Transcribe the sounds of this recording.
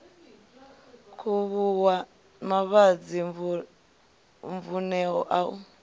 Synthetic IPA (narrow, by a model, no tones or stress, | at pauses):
kʰuβuwa | maβad͡zi | ɱvunɛɦɔ̰ʔaṵ